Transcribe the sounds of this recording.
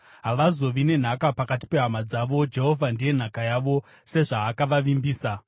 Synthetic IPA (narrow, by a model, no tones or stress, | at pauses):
ɦaʋazo̞ʋine̞n̤akapakati̥pe̞ɦamad͡zaʋo̞d͡ʒe̞ɦo̞vʱandije̞n̤akajaʋo̞ | se̞ʐaːkaʋaʋimbiːsa